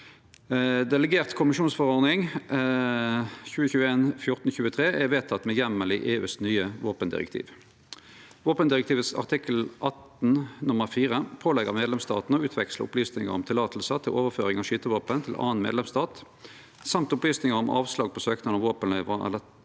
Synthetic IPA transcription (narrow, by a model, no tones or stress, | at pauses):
d̪ɛləɡeːʁt̪kʰʊmɪʃuːnsfɔʁɔʁnɪŋ | çʉːəçʉːəeːnfjʊʁt̪n̩çʉːət̪ʰʁeːʔɛʋeːt̪ʰɑt̪ːmɛjɛmːəlɪʔeːʉ̰ːsnyːəʋoːpənd̪ɪ̰ʁɛ̰kt̪ʰḭːʋ | ʋoːpənd̪ɪʁɛkt̪ʰiːʋət̪sɑ̰ʁt̪ʰɪkəlʔɑt̪n̩nʊməʁfiːʁəpʰoːlɛɡə̰ʁmeːd̪lɛmst̪ɑ̰ːt̪nəɔʉːt̪ʰʋɛkslə̰ʊ̰plyːsnɪŋə̰ʁɔmt̪ʰɪlɑːt̪ʰəl̩sət̪ʰɪlʔoːʋəʁføːʁɪŋɑʋʃyːt̪əʋoːpənt̪ʰɪlʔɑ̰ːənmḛːd̪lɛmst̪ɑːt̪ | sɑmt̪ʊplyːsnɪŋəʁʊmʔɑ̰ːʋslɑːɡ̚pʰɔsøːknɑnɑʋoːpənɛʋɑ̰lə